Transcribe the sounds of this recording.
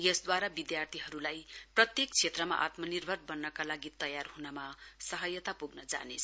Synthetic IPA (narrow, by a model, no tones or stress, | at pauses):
jesd̪waɾabid̪jart̪ʰiɦʌɾulajprʌt̪jekt͡sʰet̪rʌma̰ʔa̰t̪mʌnirbʱʌrbʌnːʌkalaɡit̪ʌjarɦunʌmasʌɦʌjʌt̪apuɡnʌd͡za̰net͡sʰ